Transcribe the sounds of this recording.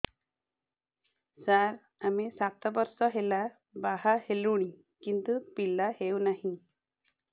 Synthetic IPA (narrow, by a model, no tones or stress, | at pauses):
saɾ | amesat̪ɔbɔɾsɔɦela | baɦaheluɽ̃i | kint̪upilahewnaɦĩ